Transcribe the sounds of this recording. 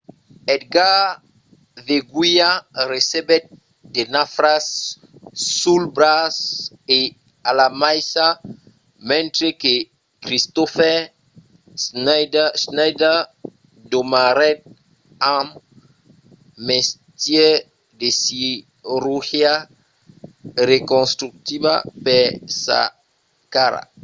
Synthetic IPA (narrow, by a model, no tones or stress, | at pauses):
et̪̚ɡa | veɡwiaresebet̪̚ | d̪enafɾasː | ulbɾas | e | alamajsa | mẽnt̪ɾeke | kɾist̪ofɛ | sndsnajd̪a | d̪omaɾɛt̪̚ | ãm | est̪je | d̪esi | ruhja | rekõnst̪ɾuk̚t̪iba̰pesa̰ | kaɾa̰